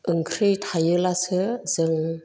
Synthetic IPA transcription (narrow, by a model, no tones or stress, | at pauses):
ʔɯŋkʰɾɯjtʰajɯlasɯzɯŋ